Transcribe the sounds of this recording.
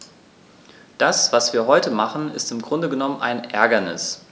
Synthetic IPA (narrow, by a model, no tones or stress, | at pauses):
d̥asv̥asv̥iːɐɦɔʏtəmaχn̩ɪstɪmɡʁʊndəɡənɔmənʔa̰ɪnʔɛɐɡɐnɪ̰s